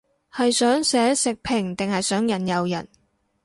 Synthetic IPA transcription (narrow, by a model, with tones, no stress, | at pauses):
hɐ˨jsœː˨˥ŋsɛː˨˥sɪ˨k̚pʰɪ˨˩ŋt̪ɪ˨ŋhɐ˨jsœː˨˥ŋjɐ˨˩njɐ˨wjɐ̰˨˩n